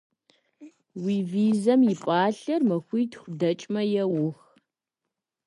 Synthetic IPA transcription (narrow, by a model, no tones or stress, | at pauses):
wiːviːzɐmjɪpʼaːɬɐrmɐxʷiːtxʷdɐt͡ʃʼmɐjɛwʊx